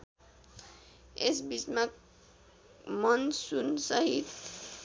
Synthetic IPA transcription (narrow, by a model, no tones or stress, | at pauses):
esbismak | mʌnsunsʌɦit̪